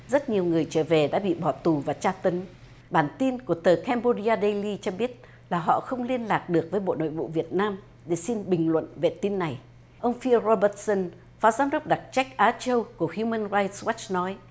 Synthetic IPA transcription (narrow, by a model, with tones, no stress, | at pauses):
zə˦˥t̚ɲi˨˩əwŋɨ˨˩əjt͡ɕəː˧˩ve˨˩ɗa̰ː˧˥ɓḭ˧˨ɓɔ˧˩t̪u˨˩vaː˨˩t͡ɕaː˧t̪ə˨˦n | ɓaː˧˩nt̪i˧nku˧˩ət̪əː˨˩kɛ˧mɓo˧ɗi˧aː˧ɗe˧jli˧t͡ɕɔ˧ɓi˦˥ət̚ | laː˨˩ɦɔ̰˧˨xə˧wŋ͡mli˧ənlaː˨˩k̚ɗɨ˨˩ək̚vəː˨˦jɓo̰˧˨no̰˧˨jvṵ˧˨vi˨˩ət̚naː˧m | ɗe˧˩si˧nɓï˨˩ŋ̟lwə̰˧˨nve˨˩t̪i˧nːa˨˩j | ʔə˧wŋ͡mfi˧əɾo˧ɓə˧˦˥t̚sə˧n | faː˨˦zaː˨˦mɗə˦˥k͡p̚ɗa˨˩t̚t͡ɕa˦˥k̚ʔaː˨˦t͡ɕə˧wku˧˩əhju˧mə˧nɹaː˧jt̚swa˦˥t͡ɕnɔ˨˦j